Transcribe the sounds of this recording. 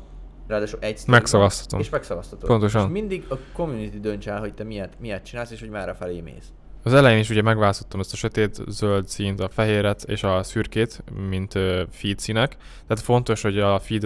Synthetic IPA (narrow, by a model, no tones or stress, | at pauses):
raːd̪aːʃuʔɛɟsmɛksɒvɒst̪ɒ̥t̪omeʃmɛksɒvɒst̪ɒt̪opo̞nt̪o̞ʃɒnmind̪iɡɒkomjunit̪id̪ønt͡ʃalɦoc̚t̪ɛmijɛt̪mijɛt̪̚t͡ʃinaːlseːʃho̞ɟmaːɾɒfɛleːmḛːs | ɒzɛlɛjeːniʃuɟɛmɛɡvaːlst̪ot̪ːɒmɛst̪ɒʃøt̪eːt̪zøld̪siːnt̪ɒfɛɦeːɾɛt̪ʰḛːʃɒsyrkeːt̪mint̪øfiːt̪sinɛk | t̪ɛːt̪fo̞nt̪o̞ʃho̞ɟɒfiːd̪